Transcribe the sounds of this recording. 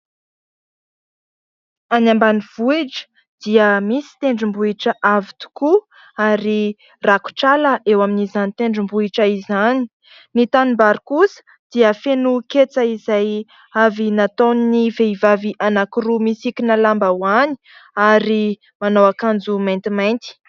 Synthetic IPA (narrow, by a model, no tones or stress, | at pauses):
anambaniv̥uiʈ͡ʂə̥ | d̪̥iəmisi̥t̪eɳɖ͡ʐumbuiʈ͡ʂəʔavit̪u̥ku | aɾi | raku̥ʈ͡ʂaləʔewaminizanit̪eɳɖ͡ʐumbuiʈ͡ʂəizani̥ | nit̪animbaɾikusə̥ | d̪̥iəfenuket͡səizaj | avinat̪oniniveivaviʔanakuɾumisikinalambawani̥ | aɾi | manawakand͡zumant̪imajnt̪i̥